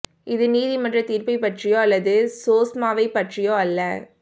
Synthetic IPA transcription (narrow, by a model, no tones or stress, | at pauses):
ʔɪðɯniːðimɐʈrɐt̪iːrpɐɪpɐʈrɪjõːɐlːɐðɯsoːsmaːʋɐɪpːɐʈrɪjoːɐlːɐ